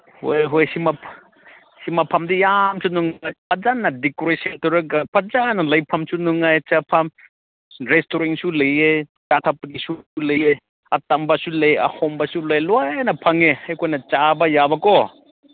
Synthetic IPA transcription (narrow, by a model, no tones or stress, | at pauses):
ho̰jɦojsimapʰ | simapʰamdijamsʰunuŋajpʰad͡ʒanːadikoɾesentɔɾɯɡapʰad͡ʒanɐlɐjpʰamsunuŋajt͡ʃapʰam | ɾestoɾiŋsulejet͡ʃatʰapnisuleje | ɐtambasulejɐ̰hɔmbasulojlɔjnɐpʰaŋehajkʰojnɐt͡ʃabɐjabakɔ